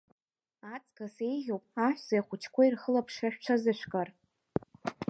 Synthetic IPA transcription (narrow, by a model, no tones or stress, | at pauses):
at͡sʼkʼasejʁʲowpʼaħʷᶣzajχʷʊt͡ʃʰkʷʰairχəlapʰʂaʃᶣʈ͡ʂʷʰazɨʃʷᶣkʼar